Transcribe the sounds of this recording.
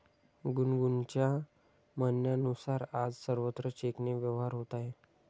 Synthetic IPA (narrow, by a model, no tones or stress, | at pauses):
ɡunɡunt͡ɕja | mənjənusaɾad͡zsəɾʋət̪ɾət͡ɕekneʋjəʋɦaɾɦot̪aje